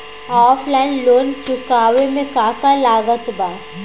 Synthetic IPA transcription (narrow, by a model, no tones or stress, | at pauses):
ɔːpʰlaːɪnloːnt͡ʃʊkaːʋemẽkaːkalaːɡət̪ba